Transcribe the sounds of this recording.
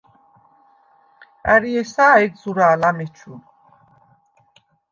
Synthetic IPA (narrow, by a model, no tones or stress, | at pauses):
a̰ɾiɛsaːɛɡzuɾaːlamɛt͡ʃʰu